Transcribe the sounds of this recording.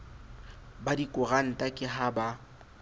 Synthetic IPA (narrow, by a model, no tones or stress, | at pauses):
badikʼʊɣan̩tʼakʼɪɦaba